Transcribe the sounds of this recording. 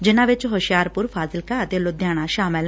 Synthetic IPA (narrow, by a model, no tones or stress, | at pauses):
d͡ʒɪnãʋɪt͡ʃɦoʃjaːɾpʊɾfʰaːzɪlkaət̪elod̪jaːɽ̃aʃaːmɪl